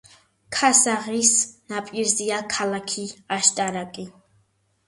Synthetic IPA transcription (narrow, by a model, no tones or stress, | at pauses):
kʰasaʁisnapʼiɾzijakʰalakʰiaʃt̪ʼaɾakʼi